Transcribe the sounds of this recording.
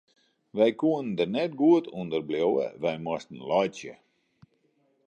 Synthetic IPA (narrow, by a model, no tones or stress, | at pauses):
ʋɛjkuənndərnɛtɡuətʰundərbljowə̰ʋɛjmɔstən̩lɔjtjə̰